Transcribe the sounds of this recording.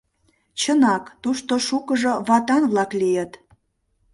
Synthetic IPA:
t͡ɕənɑkt̪uʃt̪oʃukəʒoβɑt̪ɑnβlɑklijət̪

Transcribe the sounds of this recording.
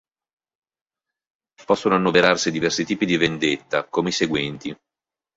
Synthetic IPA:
pɔsːonoanːoveɾarsid̪ivɛrsit̪iːpid̪ivend̪et̪ːakomeiseɡwɛnt̪i

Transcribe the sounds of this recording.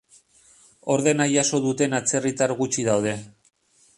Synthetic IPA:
o̞ɾðe̞najaso̞ðut̪e̞nat͡se̞rit̪aɾɣut͡ʃið̞awð̞e̞

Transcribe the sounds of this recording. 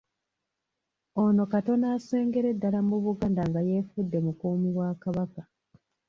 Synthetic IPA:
o̞no̞kato̞naːse̞ːŋɡe̞ɾe̞dːalamuβuɡaːndaŋɡaje̞ːfudːe̞mukuːmiβwaːkaβaka

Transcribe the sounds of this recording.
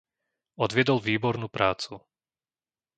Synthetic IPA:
ɔd̪ʋɪɛd̪ɔlˠʋiːbɔɾnupɾʔaːt͡su

